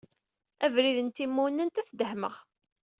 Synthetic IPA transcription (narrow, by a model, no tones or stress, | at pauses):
ævɾiðənt̪imːunːənt̪æθd̪əhmə̰ʁ